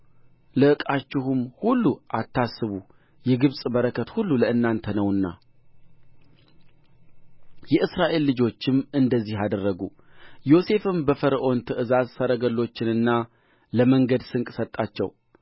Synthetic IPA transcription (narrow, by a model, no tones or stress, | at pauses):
ləʔɨkʼat͡ʃːɪhɨmhulːuʔat̪ʰːasːɨβu | jɛɡɨβsʼbəɾəkʰət̪hulːuləɨnːant̪ʰənəwɨnːa̰ | jɛʔɨsɾaʔe̞lːɨd͡ʒo̞t͡ʃːɪmɨnd̪əzːihad̪ərːəɡu | jo̞se̞fɨmbəfəɾəʔo̞nt̪ʰɨʔɨzazsəɾəɡəlːo̞t͡ʃːɪnɨnːa | ləməŋɡəd̪sɨŋkʼsət̪ʼːat͡ʃːɛ̰w